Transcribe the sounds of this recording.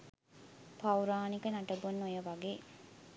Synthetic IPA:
pawɾaːnikənaʈəbunːojəʋaɡeː

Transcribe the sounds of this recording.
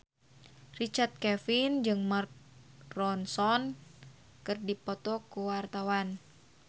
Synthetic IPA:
rit͡ʃart̪̚kɛfind͡ʒɨŋmark̚ | rɔnsɔn | kɨrdipɔt̪ɔkuwart̪awan

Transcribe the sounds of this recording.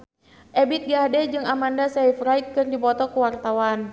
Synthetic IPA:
ʔɛbɪt̪̚ɡadɛd͡ʒɨŋamandasɛifrajt̪̚kɨrdipɔt̪ɔkuwart̪awan

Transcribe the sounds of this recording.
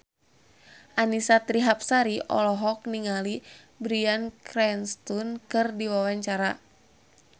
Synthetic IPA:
ʔanisat̪ɾiɦap̚saɾiʔɔ̰lɔɦɔk̚niŋali | bɾiankɾɛnst̪unkɨrdiwawaɲt͡ʃaɾa

